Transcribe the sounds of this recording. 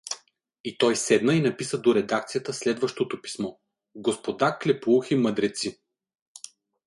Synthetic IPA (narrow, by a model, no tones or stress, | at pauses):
it̪ɔjsɛd̪nəinɐpisəd̪oɾɛd̪akt̪sijət̪əslɛd̪vəʃt̪ot̪opi̥smɔ | ɡospod̪aklʲɛpuximəd̪ɾɛt̪si